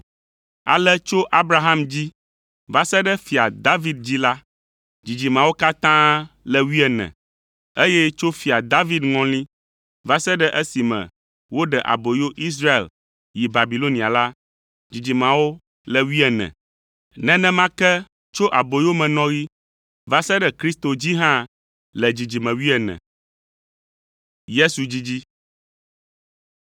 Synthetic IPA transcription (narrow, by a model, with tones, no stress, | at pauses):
a̰˨lɛ˦t͡ʃo˦ʔa˦bɾa˦ɦa˦md͡ʑi˦ | va˦sɛ˦ɖɛ˦fi˨a˨d̪a˦vi˦d̪̚d͡ʑi˦la˦ | d͡ʑi˨d͡ʑi˨mã˨wo˦ka˦t̪ã˦lɛ˨wi˦ɛ˨nɛ̰̃˨ | e˦jɛ˦t͡ʃo˦fi˨a˨d̪a˦vi˦d̪ŋɔ̃˦lĩ˦ | va˦sɛ˦ɖɛ˦ʔɛ˦si˨mɛ̰̃˨ | wo˦ɖɛ˨ʔa̰˨bo˨jo˦ʔi˦s̬ɾa˦e˨l | ji˨ba˨bi˨lo˦nĩ˨a˨la˦ | d͡ʑi˨d͡ʑi˨mã˨wo˦ | lɛ˨wi˦ɛ˨nɛ̰̃˨ | nɛ̃˦nɛ̃˦mã˦kɛ˦ | t͡ʃo˦ʔa˨bo˨jo˦mɛ̃˨nɔ̃˦ɣi˦ | va˦sɛ˦ɖɛ˨kɾi˦st̪o˨d͡ʑi˦ɦã˦ | lɛ˨d͡ʑi˨d͡ʑi˨mɛ̃˨wi˦ɛ˨nɛ̰̃˨ | je˦su˨d͡ʑi˦d͡ʑi˦